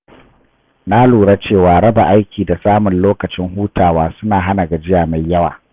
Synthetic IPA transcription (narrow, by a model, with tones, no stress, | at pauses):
na˦luː˨ɽa˦t͡ʃeː˦˨waː˨ɽɐ˦ba˨ʔa˦jkʲiː˨da˨saː˦mʊ˨nloː˦kɐ˨t͡ʃɪ˦ŋhuː˦taː˨waː˦sʊ˦naː˨ɦa˦na˨ɡa˨d͡ʒɪ˦jaː˨ma˨jːɐ˦wa̰ː˨